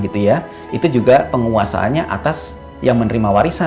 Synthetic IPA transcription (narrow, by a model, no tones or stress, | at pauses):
ɡit̪uja | ʔit̪ud͡ʒuɡapəŋuasa̰ʔa̰nɲaʔa̰t̪as | jaŋmənəɾimawaɾisa